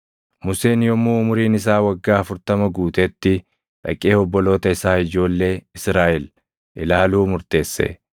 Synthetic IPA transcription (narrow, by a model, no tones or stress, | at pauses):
mʊseːnjɔmːuːʊmʊɾiːnɪs̬aːwɐɡːaːɐfʊɾt̪ɐmɐɡuːt̪ɛt̪ːɪ | ᶑɐ̰kʼːeːhɔbːɔlo̞ːt̪ɐɪsaːɪd͡ʒo̞ːlːe̞ːɪsɾaːʔɪl | ʔɪlaːluːmʊɾt̪e̞ːsːɛ̰